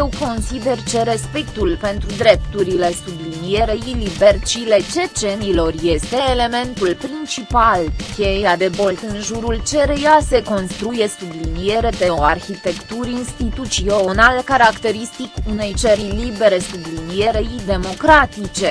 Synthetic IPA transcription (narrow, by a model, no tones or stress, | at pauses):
jewko̞nsid̪e̞rt͡ʃe̞ɾe̞spekt̪ulpe̞nt̪ɾud̪ɾe̞p̚t̪uɾile̞sublinije̞ɾeilibe̞rt͡ʃile̞t͡ʃe̞t͡ʃe̞nilo̞rje̞st̪e̞ːle̞me̞nt̪ulpɾint͡ʃipalkʲe̞jad̪e̞bo̞lt̪ɨnʒuɾult͡ʃe̞ɾejase̞ko̞nst̪ɾuje̞sublinije̞ɾe̞p̪eoarçit̪e̞kt̪uɾʲinst̪it̪ut̪sionalkaɾakt̪e̞ɾist̪ikune̞jt͡ʃeɾilibe̞ɾe̞sublinije̞ɾeid̪e̞mo̞kɾat̪it͡ʃe̞